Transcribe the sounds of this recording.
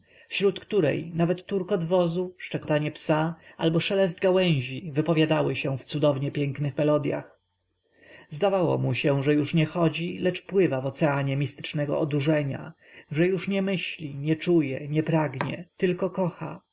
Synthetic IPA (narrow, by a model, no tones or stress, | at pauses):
fɕɾut̪kt̪uɾɛ̰jnavɛt̪ːuɾkɔd̪vɔzuʂt͡ʂɛkɔt̪aɲɛpsaalbɔʂɛlɛzd̪ɡawɛ̃w̃ʑivɘpɔvʲjad̪awɘɕɛ̃ft̪sud̪ɔvɲɛpʲjɛŋknɘxmɛlɔd̪ja̰x | zd̪avawɔ̰muɕɛ̃ʐɛjuʂɲɛxɔd͡ʑilɛt͡ʂpwɘvavɔt̪sɛaɲɛmʲist̪ɘ̥t͡ʂnɛɡɔ̰ɔd̪uʐɛɲa̰ | ʐɛjuʂɲɛmɘɕlʲiɲɛt͡ʂujɛɲɛpɾaɡɲɛ̰t̪ɘlkɔkɔxa̰